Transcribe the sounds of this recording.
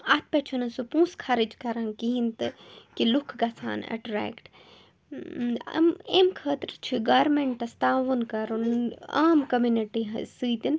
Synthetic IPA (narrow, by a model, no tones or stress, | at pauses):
ɐt̪̚ʰpɐt͡ʃʰunɐsupũːskʰɐɾid͡ʒkɐɾɐnkiɦint̪ɨkilukʰɡɐsʰa̰ːnɐ̰ʈɾɛ̰ːkʈ | ɐ̰memkʰɐːt̪ɾt͡ʃʰiɡaːɾmeɳʈɐst̪aːʋɐnkɐɾuna̰ːmkɐmjuniʈiɦɐ̰sɨːt̪in